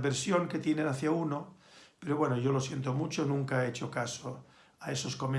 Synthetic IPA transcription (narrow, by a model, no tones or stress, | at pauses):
βeɾsjo̞ŋke̞t̪jenenaθjauno | pe̞ɾoβwenoʝo̞lo̞sje̞nt̪omut͡ʃonũŋkaeet͡ʃokaso | aeso̞sko̞me